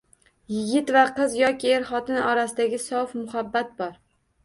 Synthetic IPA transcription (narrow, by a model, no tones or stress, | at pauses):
jɪɡʲɪt̪vaqɨzjɒkʲieɾχɒt̪ɪnɒɾasɪd̪aɡʲɪsɒwfmʊhabːat̪̚bɒɾ